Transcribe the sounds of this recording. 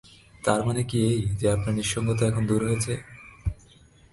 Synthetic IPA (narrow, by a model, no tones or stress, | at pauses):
t̪aɾmanekiejd͡ʑeapnaɾniʃɔŋɡot̪̬oɛkʰond̪uɾɦojet͡ɕʰe